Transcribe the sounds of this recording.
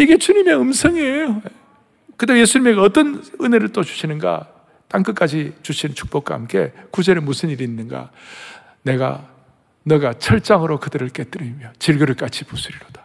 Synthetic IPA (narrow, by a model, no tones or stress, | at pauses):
iɡe̞t͡ɕuɲime̞ɯmsʰʌŋiejoe | kɯt̬͈emje̞sʰuɲime̞ɡeʌt͈ʌnɯne̞ɾɯɭt͈ot͡ɕu̥ɕʰinɯnɡa̰ | t͈aŋk͈ɯk͈ad͡ʑit͡ɕuɕʰinnt͡ɕʰu̥k̚p͈ok̚k͈wa̰ɦamk͈e̞̰kud͡ʑeɾemusʰɯniɾiːnːɯnɡa̰ | ne̞ɡa̰ | nʌɡat͡ɕʰʌɭt͡ɕ͈aŋɯɾokɯdɯɾɯɭk͈e̞t͈ɯɾimjot͡ɕiɭɡɯɾɯɭk͈at͡ɕʰipusʰuɾiɾod̥ḁ